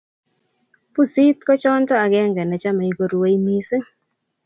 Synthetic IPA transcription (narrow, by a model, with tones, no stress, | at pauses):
pu˦si˦t̪kɔ˦t͡ʃɔ˦ntɔ˦a˨ɡɛ˦ŋɡɛ˨nɛ˨t͡ʃa˦ma˨i˨ɡo˨ɾwe˦i˦mi˦sɪ˦